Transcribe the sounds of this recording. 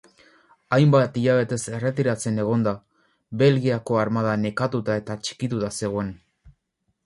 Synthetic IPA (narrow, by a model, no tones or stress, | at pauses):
ajmbat̪iʎaβ̞e̞t̪e̞se̞re̞t̪̬iɾat͡se̞ne̞ɣ̞o̞nd̪a | βe̞lɣiako̞aɾmað̞ane̞kat̪ut̪ae̞t̪at͡ʃi̥kit̪ut̪ase̞ɣoe̞n